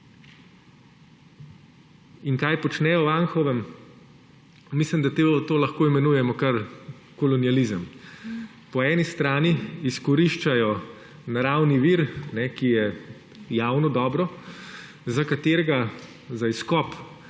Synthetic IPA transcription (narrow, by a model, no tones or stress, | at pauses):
inkajpɔt͡ʃnɛjɔʋanxɔʋɛm | mislimd̪at̪t̪oːlɐxkoːimɛnuːjɛmɔkɐɾ | kɔlɔnializəm | pɔɛːnist̪ɾaːniiskɔɾiʃt͡ʃajɔ | naɾawniʋiɾnɛkijɛ | jaːwnɔd̪ɔːbɾɔ | zakat̪eːɾɛɡa | zaiskɔp